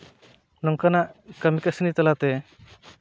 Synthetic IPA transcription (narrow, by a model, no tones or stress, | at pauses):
nɔŋkanaʔkamikasənit̪alat̪ɛ